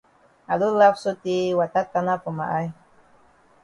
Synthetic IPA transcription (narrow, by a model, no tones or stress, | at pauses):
alulafsut̪iwat̪at̪anapuma̰ʔaj